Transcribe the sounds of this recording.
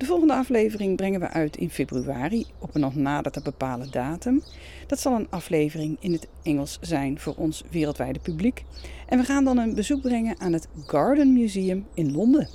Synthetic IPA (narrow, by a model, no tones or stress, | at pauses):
d̥əvɔlˠχəndəɑflejvərɪŋbrɛŋənʋə̰ʔœɥtʰɪ̰nfejbryaːriɔpənːɔχnaːdətəbəpaːlədaːtəm | d̥ɑtsɑlˠənɑflejvərɪŋɪnɦət | ɛŋəlˠszɛjnv̥ʊːɹʔɔnsʋɪːrəlˠtʋɛjdəpyblikʔɛnʋəχaːndɑnənbəzuɡ̚brɛŋənʔaːnɦətɡɑɹdənmjyzijəmɪnlɔndə